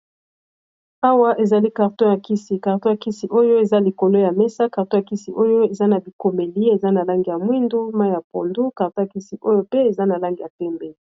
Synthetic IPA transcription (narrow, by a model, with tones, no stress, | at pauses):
a˦wa˦ʔe˨za˨li˦ka˨ʁtɔ̃˦ja˨ki˦si˨ka˨ʁtɔ̃˦ja˨ki˦si˨ʔo˦jo˦e˨za˦li˨ko˨lo˦ja˨mɛ˦sa˦ka˨ʁtɔ̃˦ja˨ki˦si˨ʔo˦jo˦e˨za˦na˨bi˨ko˨me˨li˦e˨za˦na˨la˦ŋɡi˨ja˨mwi˦ndu˦ma˦˨ja˨po̰˨ndu˦ka˨ʁtɔ̃˦ja˨ki˦si˨ʔo˦jo˦pe˦e˨za˦na˨la˦ŋɡi˨ja˨tɛ˦mbe˦